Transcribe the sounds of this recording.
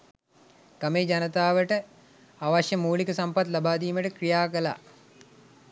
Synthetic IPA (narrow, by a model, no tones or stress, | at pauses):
kameːd͡ʒanət̪aːʋəʈə | aʋaʃjəmuːlikəsampat̪labaːd̪iːməʈəkrijaːkəla̰